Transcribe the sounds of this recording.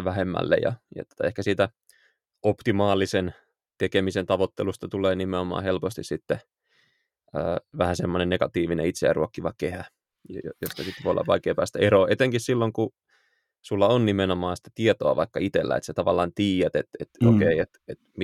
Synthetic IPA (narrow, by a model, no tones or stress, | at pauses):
ʋæhemːæ̰lːḛjɑ̰jɑ̰t̪o̥t̪ɑehkæsiːt̪æ | opt̪imɑːlisen | t̪ekemisent̪ɑʋot̪ːelust̪ɑt̪uleːnimeomɑ̰ːhelpost̪issit̪ːe | ə̰ːʋæhæsemːonenneɡɑt̪iːʋinḛit̪seæ̰ruokːiʋɑkehæ | ojost̪ɑsit̪ːʋo̰ˑolːɑ̰ʋʋɑikeːpæːst̪æeɾoːʔet̪eŋkissilːoŋku | sulːɑonnimenomɑːsi̥t̪ːæ̥t̪iet̪oɑʋɑ̰ikːɑit̪elːæ̰ḛt̪set̪ɑʋɑlːˑɑːnt̪iːjæt̪ḛt̪ḛt̪o̰kkeiet̪et̪m